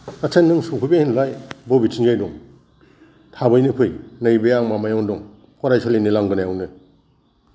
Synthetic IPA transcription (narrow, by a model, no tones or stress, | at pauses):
kasʰenːɯŋsupʰujbehinlajbɔbitʰinɡajdɔŋ | tʰabɯjnɯpʰɯjnɯjbejaŋmamajɔŋdɔŋ | kʰɔɾajsɔlinilaŋɡɯnajawnɯ